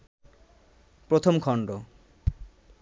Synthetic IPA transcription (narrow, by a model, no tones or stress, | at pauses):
pɾot̪ʰomkʰɔɳɖo